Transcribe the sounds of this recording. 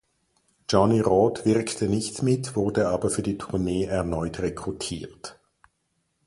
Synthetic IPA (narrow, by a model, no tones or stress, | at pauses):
d͡ʒ̥ɔniʁɔːtv̥ɪʁktʰənɪçtmɪtv̥ʊʁdəaːbɐfyːɐdiːtʰʊɐneːɛɐnɔʏtʁekʁ̥utʰiːɐt